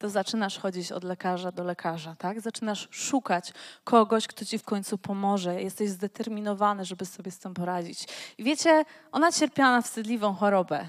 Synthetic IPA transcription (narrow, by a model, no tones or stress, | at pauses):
t̪ɔzat͡ʂɘnaʂxɔd͡ʑit͡ɕɔ̰d̪lɛkaʐad̪ɔlɛkʰaʐat̪aɡzat͡ʂɘnaʂʂukat͡ɕkʰɔɡɔɕkt̪ɔt͡ɕifkɔɲʲt̪supʰɔmɔʐɛjɛst̪ɛʑzd̪ɛt̪ɛɾmʲinɔvanɘʐɛbɘsɔbʲjɛst̪ɘmpɔɾad͡ʑit͡ɕivʲjet͡ɕɛʔɔnat͡ɕɛɾpʲjanafst̪ɘd̪lʲivɔ̃w̃xɔɾɔbɛ̰